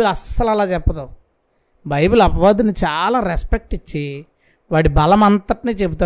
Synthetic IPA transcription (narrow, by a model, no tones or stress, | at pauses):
ulɐsːɐlɐlaːt͡ʃɛpːɐd̪a | bɐjbulɐbɐʋaːd̪init͡ʃaːlaːɾeɛspek̚ʈit͡ʃːi | ʋaːɽibɐlɐmɐnt̪ɐʈiniːt͡ʃebut̪̬aː